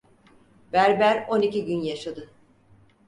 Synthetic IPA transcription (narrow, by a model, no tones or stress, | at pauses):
bæɾbæɾo̞niciɟynjaʃad̪ɯ